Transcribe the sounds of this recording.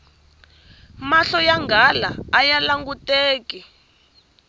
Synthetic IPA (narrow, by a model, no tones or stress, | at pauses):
maɬɔjaŋɡala̰ːjalaŋɡuteːki